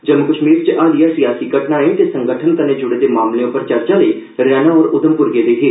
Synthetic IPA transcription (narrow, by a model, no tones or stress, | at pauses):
d͡ʒəmːʊkəʃmiːɾt͡ʃʔaːd̪ijaːsijaːsiːɡəʈnaːĩt̪esə̃ŋɡəʈʰənt̪ənẽːd͡ʒʊɽeːd̪eːmaːmleʊpəɾt͡ʃəɾt͡ʃaləiː | ɾjaːnaɔːɾʊd̪əmpʊɾɡeːd̪eːɦeː